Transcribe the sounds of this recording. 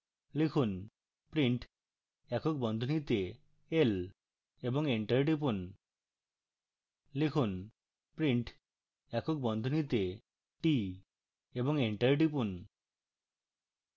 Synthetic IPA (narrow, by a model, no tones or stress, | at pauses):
lekʰun | pɾiɳʈ | ɛkʰok̚bɔnd̪ʱonit̪e | el | eboŋeɳʈɐɾɖip̬un | lekʰun | pɾiɳʈ | ɛkʰok̚bɔnd̪ʱonit̪e | ʈi | eboŋeɳʈɐɾɖip̬un